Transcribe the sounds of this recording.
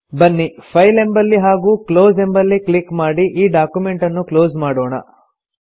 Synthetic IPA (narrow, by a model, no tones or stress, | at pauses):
bɐnːipʰɐjle̞mbɐlːiɦaːɡuːkloːze̞mbɐlːiklikmaːɽiʔiːɖaːkjume̞ɳʈɐnːukloːzmaːɽoːɳɐ̰